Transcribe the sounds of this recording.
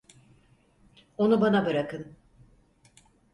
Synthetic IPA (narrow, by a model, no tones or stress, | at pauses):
o̞nubanabɯɾakɯn